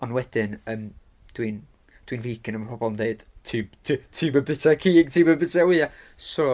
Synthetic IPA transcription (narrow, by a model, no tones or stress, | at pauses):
ɔnwɛd̥ɪnəːm | d̥win | d̥winviːkʰɪnəmpʰɔbɔlˠndeɨd̥tʰiːbtʰːtʰiːbəbɪtʰɛkʰiːɡ̥tʰiːbəbɪtʰɛwɪa | so